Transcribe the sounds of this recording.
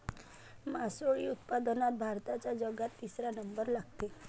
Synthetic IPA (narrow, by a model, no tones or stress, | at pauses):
masoɭiʊt̪pad̪ɔnat̪bʱaɾt̪at͡ʃad͡ʒəɡat̪isɾanəmbəɾlaɡ̚t̪e